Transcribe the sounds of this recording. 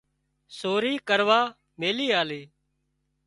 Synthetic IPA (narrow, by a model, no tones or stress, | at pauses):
soːɾiːkəɾʋaː | meːliːaːleː